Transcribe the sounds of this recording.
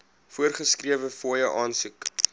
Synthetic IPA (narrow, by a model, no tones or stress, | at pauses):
fuərχəskriəvəfoːjəʔɑːnsuk